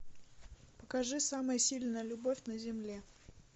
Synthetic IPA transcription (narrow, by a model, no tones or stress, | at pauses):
pəkɐʐɨsaməjəsʲilʲnəjəlʲʊbofʲnəzʲɪmlʲe